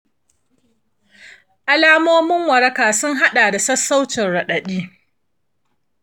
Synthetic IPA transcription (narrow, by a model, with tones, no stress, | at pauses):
ʔa˨laː˦moː˦mɪ˦ŋwɐ˨ɾɐ˦kaː˨sʊ˦ŋɦa˦ɗaː˨da˨sɐ˦sːa˦wt͡ʃɪ˨nɽɐ˨ɗɐ˨ɗiː˦